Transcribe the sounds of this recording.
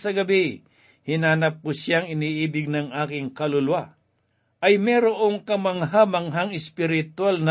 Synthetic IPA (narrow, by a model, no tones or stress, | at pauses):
sɐɡɐbɪ | hɪnaːnɐp̚kʊsjaŋɪniːʔiːbɪɡ̚nɐŋʔaːkɪŋkɐlʊlwa | ʔɐjmɛɾoʔoŋkɐmɐŋɦaːmɐŋɦɐŋɪspɪɾɪt̪walnɐ